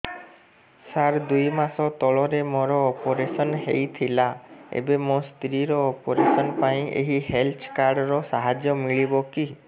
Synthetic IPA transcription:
saɾd̪ujmasɔt̪ɔɭɔɾemɔɾɔːpɔɾesɔnɦejt̪ʰilaḛbemɔ̃st̪ɾiɾɔːpɔɾesɔnpaĩʔḛɦiɦelt͡ʃʰkaɾɖɾɔsaɦad͡ʒjɔmiɭibɔki

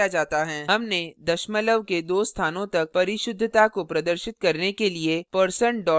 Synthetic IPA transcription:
ad͡ʒaːt̪aɦɛːɦɐmned̪ɐʃmələʋked̪oːst̪ʰaːnõt̪ɐk̚pɐɾɪʃʊd̪ʱːət̪akopɾɐd̪əɾʃɪt̪kɐɾnekeliepəɾsəɳɖɔː

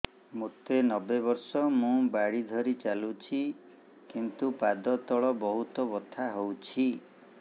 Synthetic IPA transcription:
mot̪enɔbebɔɾsɔmũbaɽid̪ʱɔɾit͡ʃalut͡ʃʰi | kint̪upad̪ɔt̪ɔɭɔbɔɦut̪ɔbɔt̪ʰaɦowt͡ʃʰi

